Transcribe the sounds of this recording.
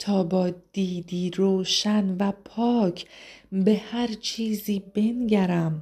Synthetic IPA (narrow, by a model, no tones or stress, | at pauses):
t̪ʰɒːbɒːd̪̥iːd̪iːɾoːʃænvæpʰɒːcʰbe̞hæɾt͡ʃʰiːziːbe̞nɟæɾæm